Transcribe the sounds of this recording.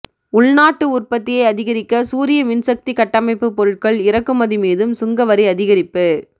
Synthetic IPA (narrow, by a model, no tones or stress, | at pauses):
ʊɭnaːʈːɯʊrpɐt̪ːɪjɐɪɐðɪɣɐɾɪkːɐsuːɾɪjɐʋɪnsɐk̚t̪ikɐʈːɐmɐɪpːɯpːɔɾɯʈ̚kɐɭɪɾɐkːɯmɐðimeːðɯmsʊŋɡɐʋɐɾɪɐðɪɣɐɾɪpːɯ